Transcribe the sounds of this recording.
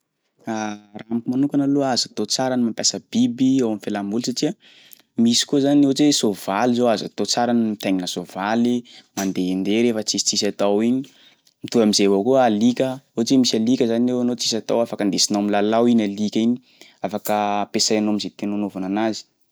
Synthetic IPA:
aramikimanukanaluazat̪ot͡saɾanimampʲjasəb̥ibiawamifelambulsaʈ͡ʂiə | misi̥kuəzaniot͡sesovalizoaza̰t̪ot͡saɾanimit̪aɲinəsovalimand̪eend̪eɾefət͡sisi̥t͡sisat̪awiɲi | mit̪uamizevokualikʲəot͡semisalikʲəzanewanot͡si̥sat̪awafakənd̪esinowamilalawinalikʲiɲi̥ | afakəpesajanomizet̪enonovananazi̥

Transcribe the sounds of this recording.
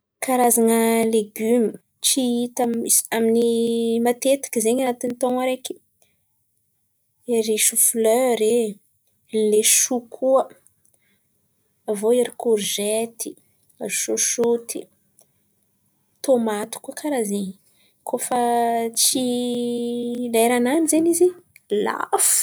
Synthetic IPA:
kaɾazanəleɡymi | t͡ʃiit̪amisaminimat̪et̪ḁkizeɲanat̪init̪ɔŋaɾeki̥ | eɾiʃufløɾe | leʃukʰuə | avoeɾikoʒet̪ʰi̥ | azuʃoʃut̪ʰi | t̪omat̪i̥kuəkʰaɾazeɲ | kʰofat͡si | laeɾananizenizila̰fu̥

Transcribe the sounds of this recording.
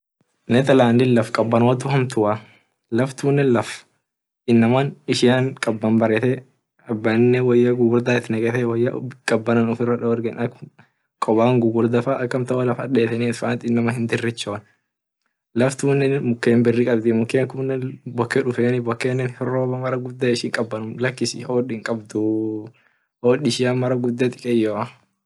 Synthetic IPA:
nɛt̪ɐlaːnd̪ɪlɐfkʼɐbːɐnot̪ːʊhɐmt̪ʊʔa | lɐft̪uːnːɛlɐf | ɪnːɐmanɪʃɪjaŋkʼɐbːɐmbɐɾɛt̪ɛ | ɐbːɐnːɛwɔjːɐɡʊɡʊɾd̪aːɪt̪nɛɡɛt̪ɛwɔjːɐkʼɐbːɐnɐnɔfɪrɐᶑɐwɔɾɡɛnɐk | kʼɔbaːŋɡʊɡʊɾd̪ɐfaʔɐkːɐmt̪ɐʔɔlɐfɐᶑeːt̪ɛnit̪faːnt̪ɪnːɐmɐhɪnd̪ɪrːɪt͡ʃːoːn | lɐft̪uːnːɛmʊkːeːmbɪrːɪkʼɐbd̪ɪmʊkːeːŋkʊnːɛbɔkːɛᶑʊfeːnɪbɔkːeːnːɛnhɪroːbɐmɐɾɐɡʊd̪ːɐɪʃɪŋkʼɐbːɐnʊmlɐkːɪshoːᶑɪŋkʼɐbd̪ʊ | hoːᶑɪʃɪjamɐɾɐɡʊd̪ːɐt̪ʼɪkʼɛjoːɐ

